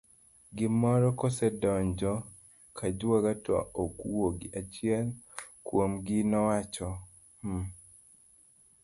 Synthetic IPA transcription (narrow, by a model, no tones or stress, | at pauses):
ɡɪmɔɾɔkɔsɛdɔɲd͡ʒɔ | kʰad͡ʒwaɡata̰okwoɡiʔat͡ʃiɛl | kwomɡɪnɔwat͡ʃɔ